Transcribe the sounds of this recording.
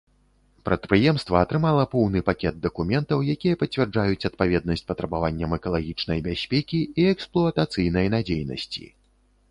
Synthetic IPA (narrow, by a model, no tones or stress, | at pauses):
pɾɐt̪̚pɾɨjɛmst̪vɐːt̪ɾɨmalˠɐpɔwnɨpakʲɛd̪̚d̪ɐkumʲɛnt̪ɐwjakʲijɐpɐt͡sʲvʲɛrd͡ʐajut͡sʲɐt̪̚pavʲɛd̪̚nɐsʲt͡sʲpɐt̪ɾɐbavanʲːɐmɛkɐlˠaɣʲit͡ʂnɐjbʲasʲpʲɛkʲiiɛksplˠuɐt̪at̪sɨjnɐjnad͡zʲejnɐ̰sʲt͡sʲḭ